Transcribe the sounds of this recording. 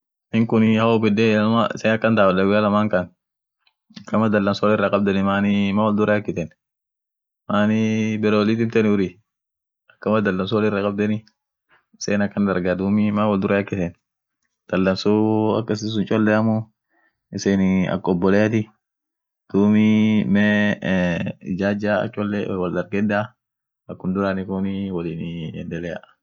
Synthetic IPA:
ɪŋkʊnɪhawɔbɪd̪ɛmaɪ̰seːnɐkːɐnd̪aːbdɐɡɪalɐmaŋkɐn | ɐkːɐmɐd̪ɐlːɐmsɔwlɪrːakʼɐb̚d̪ɛnɪmaːnɪmaːwɐld̪ʊɾɐjɐkːɪt̪ɛn | maːnɪbɛɾɛwɔlit̪ɪmt̪ɛnɪʊɾi | ɐkːɐmɐd̪ɐlːɐms̬ɔwlɪrːakʼɐb̚d̪ɛnɪ | ɪseːnɐkːɐnd̪ɐɾɡad̪uːmɪmaːwɐld̪ʊɾɐjɐkːɪt̪ɛn | d̪̥ɐlːɐmsuɐ̰kːɐs̬ɪs̬ʊnt͡ʃʼɔlːɛɐmʊ | ɪseːnɐ̰kːɔbːɔlɛɐt̪ɪ | d̪̥uːmimɛ | ɪd͡ʒaːd͡ʒaɐ̰t͡ʃʼɔlːɛwɐld̪ɐɾɡɛd̪a | ɐkːʊnd̪ʊɾanɪkʊnɪwɐliːnɪɛ̰nd̪ɛlɛja

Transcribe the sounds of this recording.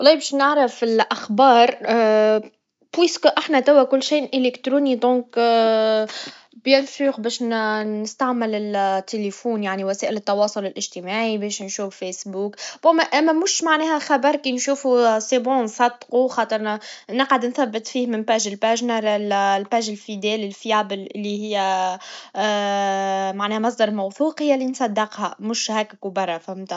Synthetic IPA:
wɑlˤːɑːbɛːʃnɪʕɾɑfɪlʔaxbɑːɾˤ | bwiːskʔaħnæt̪æwːækʊlːʃiːʔʔɪlɪkt̪ɾuːnid̪ˤɔ̃ːŋk | bjɪlfuːɣbɛːʃnnɪst̪aʕmɪlɪlt̪ʰːelefuːnjaʕniwæsæːʔɪlət̪ːɑwɑːsˤʊlɪlʔɪʒ̥t̪ɪmaːʕibɛːʃnʃuːffesbuːkbumæʔæmːæmʊʃmaʕnɛːhæxɑbɑɾˤkijnʃuːfusˤebuːnsˤɑd̪quxɑːt̪ˤəɾˤnɪqʕad̪nθæbːɪt̪ˤfiːhmɪnpæːʒɪlpæːʒnɑɾɪllpæːʒɪlfid̪ɛːlɪlfiabɪlʔɪlːihɪjːæ | maʕnɛːhæmɑsˤd̪ɑɾˤmawθuːqhɪjːælːinsˤɑd̪ːɪqhæmʊʃhæːkækʊbɑrˤːɑfamt̪a

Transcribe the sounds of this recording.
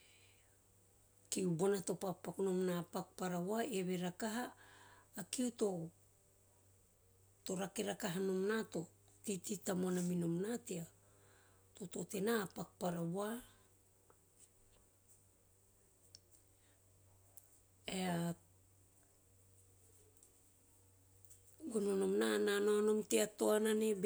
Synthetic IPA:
kiubonato̞pakpakunomnapakpaɾawaeβe̞ɾakaɦaː | kiuto̞ | to̞ɾake̞ɾakaɦanomnato̞ | tititamonaminomnatea | totote̞napakpaɾaβoa | ea | ɡononomnananoano̞mteato̞ananeb

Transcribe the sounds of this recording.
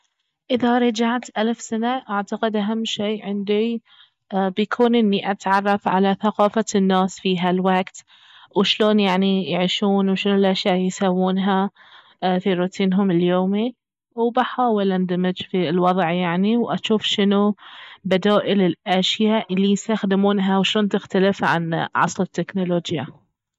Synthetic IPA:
ʔɪðaɾˤɑd͡ʒaʕt̪ʔalfsanaʔaʕt̪aqɪd̪ʔaɦamːʃeːʕɪnd̪i | bjakʰuːnʔɪnːiʔat̪ʕɑrˤːɑfʕa̰laθaqɑːfanːaːsfiːɦalwaɡt̪ | wʃloːnjaʕnijɪʕiʃuːnwʃɪnlʔaʃjaːʔjsawːuːnɦa | fiɾuːt̪ʰiːnɦʊmɪljoːmi | wbaħaːwɪlʔand̪amɪd͡ʒfilwɑðˤʕjaʕniwʔaʃuːfʃɪnubad̪aːʔɪlɪlʔaʃjaʔlːijɪst̪axd̪ɪmuːnɦawʃloːnt̪ɪxt̪alɪfʕa̰nʕɑ̰sˤlɪt̪ːɪknoloːd͡ʒja

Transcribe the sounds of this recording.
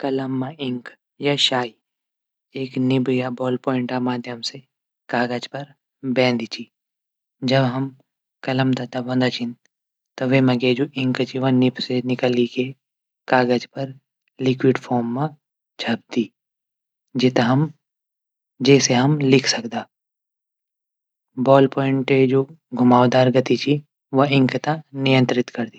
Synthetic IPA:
kɐləmːãʔɪ̃ŋk | jaʃaːi | eːknɪbjabɔːlpɔːɪ̃ɳʈamaːd̪ʱjəmse | kaːɡəd͡ʒpɐɾ | bɛ̃ːnd̪it͡ʃi | d͡ʒɐbɦɐm | kɐləmd̪at̪abɐ̃nd̪aːt͡ʃʰɪ̃n | t̪oʋemɐɡeːd͡ʒoʔɪ̃ŋkt͡ʃiʋãnɪpsenɪkəlike | kaːɡəd͡ʒpɐɾ | lɪkwɪɖpʰɔːɾmːã | t͡ʃʰɐb̚d̪iː | d͡ʒɪt̪ɦm | d͡ʒɛːseɦɐmlɪkʰsɐkd̪aː | bɔːlpɔːɪ̃ɳʈed͡ʒoː | ɡʱʊmaːʋd̪aːɾɡɐt̪it͡ʃʰi | ʋɐɪ̃ŋkt̪anɪjə̃nt̪ɾɪt̪kɐɾd̪iː

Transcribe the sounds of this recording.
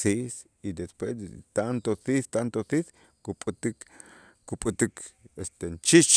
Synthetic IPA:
sis | id̪espweset̪ant̪oθiθt̪ant̪oθiθ | kupʼut̪ik | kupʼut̪ikest̪ent͡ʃit͡ʃ

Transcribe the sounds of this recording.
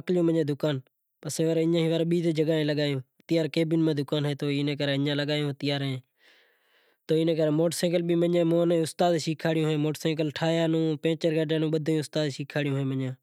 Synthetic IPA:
əklɪjõːməɲãːd̪ʱʊkaːn | pəseːʋəɾɪjãːɦĩːʋəɾːɓiːt̪eːd͡ʒəɡaːẽːləɠaːjõː | t̪ɪjaːɾkeːbɪnmãːd̪ʱʊkaːnɦeːt̪oːnẽːkəɾeːɪɲãːləɠaːjõːt̪ɪjaːɾɦẽː | t̪oːɪnẽːkəɾeːmoːʈsẽːɡəlɓiːməɲẽːmoːnẽːʊst̪aːd̪ʃiːkʰaːɽɪjõːɦẽːmoːʈsẽːɡəlʈʰaːjaːnũːpẽːt͡ʃəɾɡaːɖjãːnũːɓəd̪ʱaːjõːʊst̪aːd̪ʃiːkʰaːɽɪjõːɦẽːməɲãː

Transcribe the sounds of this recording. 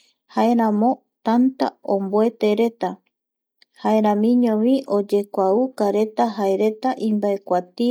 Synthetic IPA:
haeɾãmõ̞ | t̪ant̪a̰omboe̞t̪e̞ɾe̞t̪a | haeɾãmĩɲõwĩʔo̞d͡ʒe̞kʷaukaɾe̞t̪aɦaeɾe̞t̪aʔĩmbaekʷat̪i

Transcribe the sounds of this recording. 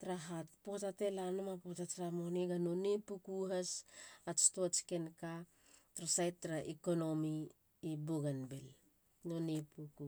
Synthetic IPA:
tɾaɦatpohatate̞lanomapotat͡ʃɾamoneɡano̞nepukuɦasat͡ʃtoat͡ʃi̥kenka | tɾasajɾaʔikono̞mi | iboɡanbel | nonepuku

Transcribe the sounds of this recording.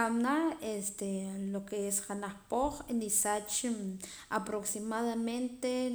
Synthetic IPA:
amnaest̪elokeesχanaχpoχenisat͡ʃ | apɾoksimaðament̪e

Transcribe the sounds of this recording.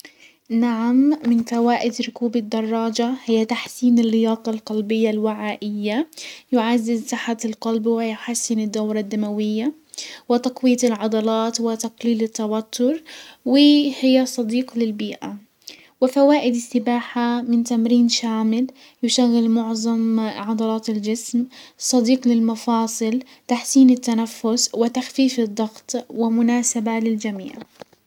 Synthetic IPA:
naʕamːɪnfawaːʔɪd̪ɾʊkuːbɪd̪ːɑrˤːɑːd͡ʒahɪjːat̪aħsiːnɪlːɪjɑːt̪ˤɑlqɑlbɪjːalwɪʕaːʔɪjːajʊʕazːɪzsaħat̪ɪlqɑlbwɪjʊħasːɪnɪd̪ːawɾˤɑd̪ːamawɪjːa | wɪt̪ɑqwiːt̪ɪlʕɑd̪ɑlɑːt̪wɪt̪ɑqliːlɪt̪ːawat̪ʰːʊɾwɪhɪjːasˤɑd̪iːqlɪlbiːʔa | wɪfawaːʔɪd̪ɪst̪ɪbaːħamɪnt̪amɾiːnʃaːmɪl | jʊʃaɣːɪlmʊʕzˤɑmʕɑd̪ˤɑlɑːt̪ɪld͡ʒɪsmsˤɑd̪iːqlɪlmɑfɑːsˤɨl | t̪aħsiːnɪt̪ːanafːʊswɪt̪axfiːfɪd̪ˤːɑɣt̪ˤwɪmʊnaːsabalɪld͡ʒamḭːʕ

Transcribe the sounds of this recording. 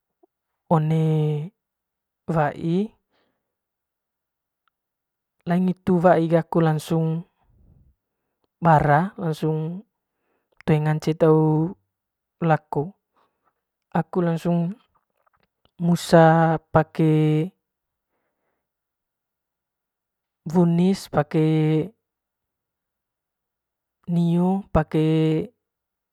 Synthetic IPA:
ɔne | waʔi | laiŋit̪uwaʔiɡakulaŋsuŋ | baɾalaŋsuŋ | t̪uɛŋaɲt͡ʃet̪au | laku | akulaŋsuŋ | musapakɛ | bunispake | niɔpake

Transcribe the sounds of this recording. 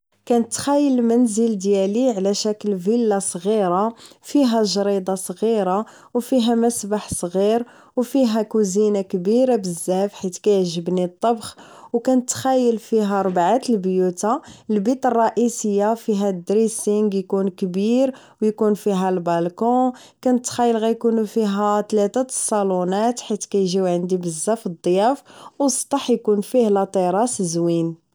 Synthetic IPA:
kænət̪ːxæjːəlmənzəld̪jæliʕlæʃækəlvilːasˤɣiɾafiɦæʒɾid̪ˤɑsˤɣiɾa | wfiɦæmæsbaħsˤɣiɾ | wfiɦækuzinakbiɾabəzːæfħit̪kæjʒəbnit̪ˤːɑbxwkænət̪ːxæjːəlfiɦæɾˤbʕat̪əlbjut̪aəlbit̪ˤərˤːɑʔisəjːafiɦæd̪ɾisiŋɡjkunkbiɾ | wjkunfiɦælbɑlkɔ̃ | kænət̪ːxæjːəlɣæjkunufiɦæt̪læt̪æsˤːɑlunæt̪ħit̪kæjʒiwʕənd̪ibəzːæfəd̪ˤːjæfwst̪ˤɑħjkunfihlɑt̪ˤiɾˤɑszwin

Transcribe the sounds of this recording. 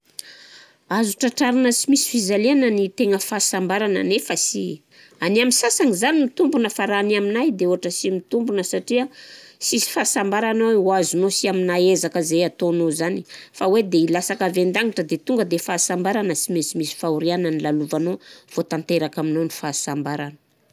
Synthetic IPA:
azuʈ͡ʂaʈ͡ʂaɾinəsimisi̥fizalianənit̪eŋəfasambaɾanə̰nefəsi | aniaminsasaŋizanimit̪umbunəfaɾanaminajd̪euɦaʈ͡ʂəsimit̪umbunəsaʈ͡ʂiəsisi̥faːsambaɾanoweuazunosiaminaezakəzeat̪onozanifawed̪eilasakavend̪aŋiʈ͡ʂəd̪et̪uŋɡəd̪efaːsambaɾanəsimisimisi̥fauɾianənilaluvanov̥ot̪ant̪eɾakaminonifasambaɾanə̥

